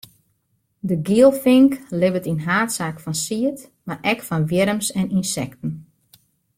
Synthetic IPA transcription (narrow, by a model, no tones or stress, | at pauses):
dəɡiəlˠfɪŋklɪvətinɦaːtsaːkfɔnsiət | marʔɛkfɔnʋjɪɾəmsɛninsɛktn̩